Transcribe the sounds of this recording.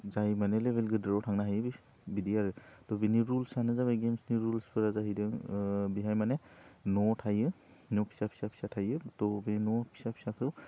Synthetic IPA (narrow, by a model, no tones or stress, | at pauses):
zajmanɛlebʱelɡɯdɾawtʰaŋnaɦajbi | bidijaɾɯtɔbiniɾulsanɯzabaɡemsniɾulspʰɯɾazaɦidaŋbiɦajmanenɔtʰajɯ | nɔpʰi̥sapʰi̥sapʰi̥satʰajɯtɔbenɔpʰi̥sapʰi̥sakʰɯw